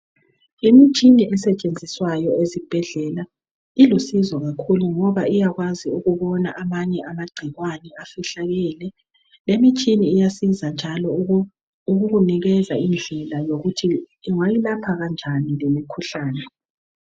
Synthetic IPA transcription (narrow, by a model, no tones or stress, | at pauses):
imit͡ʃʼiniʔɛsɛt͡ʃʼend͡zʱiswajɔezib̥ʱɛɮɛla | ilusizwɔɣakʰuluŋɔβaijaɣwaziuɣuβɔnaʔamaɲɛʔamaɡ͡ǀʱiɣwanɛafiɬaɣilɛ | lemit͡ʃʼiniːjasizand͡ʒʱalɔ | uɣuɣuniɣɛzaind͡ɮʱɛlajoɣutʰi | ŋajilapʰaɣand͡ʒʱanilemikʰuɬaːnɛ